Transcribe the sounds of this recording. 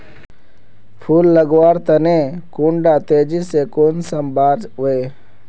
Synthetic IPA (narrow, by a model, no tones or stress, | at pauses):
pʰuːlːəɡʋaːɾt̪ənẽkuːɳɖaːt̪eːd͡ʒisekoːnsəmbaːd͡ʒɦʊeː